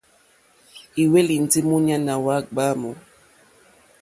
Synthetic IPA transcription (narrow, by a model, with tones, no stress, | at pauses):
i˨we˦li˨n̩˨ti˦mu˦ɲa˦na˨wa˦˨k̚ɡ͡ba˦mɔ˨